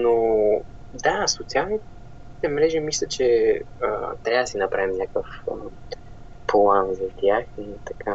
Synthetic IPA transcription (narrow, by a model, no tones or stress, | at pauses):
no | d̪asot̪sialˠni | t̪ɛmɾɛʒimislʲət͡ʃɛə̰t̪ɾʲavəd̪ɐsinɐpɾavimnʲakəfə | plˠanzɐt̪ʲjaxit̪ɐkʰa